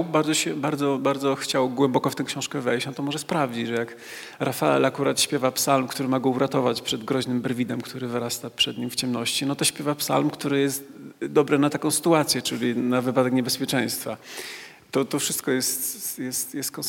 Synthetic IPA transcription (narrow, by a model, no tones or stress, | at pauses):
baɾd̪zɔɕɛbaɾd̪zɔbaɾd̪zɔxt͡ɕawɡwɛmbɔkɔft̪ɛwkɕɔ̃w̃ʂkɛvɛjt͡ɕnɔt̪ɔmɔʐɛspɾavd͡ʑit͡ɕʐɛjak | ɾʔafaɛ̰lakuɾat̪ɕpʲjɛvapsalmkt̪uɾɘmaɡɔuɾat̪ɔvat͡ɕpʂɛd̪ɡɾɔʑnɘmbɛɾvʲid̪ɛmkt̪uɾɘvɘɾast̪apʂɛd̪ɲimft͡ɕɛmnɔɕt͡ɕinɔt̪ɔɕpʲjɛvapsa̰lmkt̪uɾɘjɛst̪ | d̪ɔbɾɛnat̪akɔ̃w̃sɘ̥t̪uat̪sʲjɛt͡ʂɘlʲinavɘpad̪ɛkɲɛbɛspʲjɛt͡ʂɛ̃j̃st̪fa | t̪ɔt̪ɔfʂɘst̪kɔjɛst̪jɛst̪jɛst̪kɔ̃